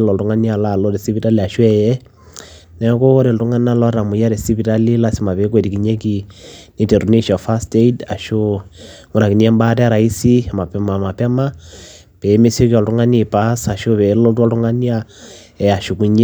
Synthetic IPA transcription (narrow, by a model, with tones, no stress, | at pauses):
lɔ˨ltu˦ŋa˦ni˦a˨la˨lɔ˦ɾe˨si˦pi˨ta˦li˨a˨ʃwɛ˨jɛ˦ | nɛ˨˦ko˦ɾe˨ltu˦ŋa˦nia˦lɔ˦ɾa˨mu˨ja˦ɾe˨si˦pi˨ta˦li˦la˦si˦ma˨βe˨˦k̬we˨ti˨ki˨ɲe˦ki˨ni˦tɛ˨ɾu˨ni˦ʃa˨fa˦ste˦ida̰˨ʃo˦ | ŋu˦ɾa˨ki˨ni˦ɛ˦mba˦tɛ˦a˦ɾa˨i˦si˦a˨ma˨pɛma˨ma˨pɛ˦ma˦ | pe˨˦me˦sjo˦ki˦ɔ˨ltu˦ŋa˦ni˨pasa˨ʃo˦βe˨˦lɔ˦tɔ˦ltu˦ŋa˦ni˦a˦ | ɛ˨a˨ʃu˨ku˦ɲe˦